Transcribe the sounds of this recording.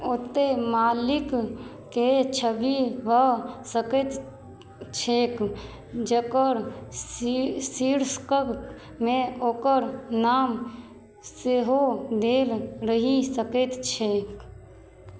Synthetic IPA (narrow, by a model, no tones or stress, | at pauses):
ot̪emalikː | et͡ʃʰəbibʱəsəkɛt̪ | t͡ʃʰek | d͡ʒəkəɾ | siɾskək | meoːkəɾnam | seɦod̪elɾəɦisəkɛt̪t͡ʃʰek